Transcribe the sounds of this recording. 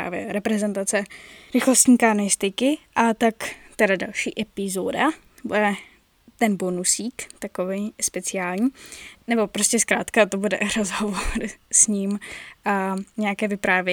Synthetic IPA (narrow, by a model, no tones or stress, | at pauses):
a̰ːvjɛ̰ɾɛpɾɛzɛnt̪at͡sɛɾɪxlost̪ɲiːkanojɪst̪ɪkɪʔat̪akt̪ɛɾadalʃḭːʔɛpɪzoda | budɛ | t̪ɛnbonusiːkt̪akovejspɛt͡sɪaːlɲiːnɛbo̞pɾoscɛskɾaːt̪kat̪obudɛ̰ɾozɦovoɾsɲim | ɲɛakɛːvɪpɾaːvjɛ